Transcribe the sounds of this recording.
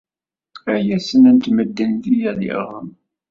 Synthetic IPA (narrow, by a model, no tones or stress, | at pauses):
æjæsənənt̪məd̪ːənðijæðḭʁəm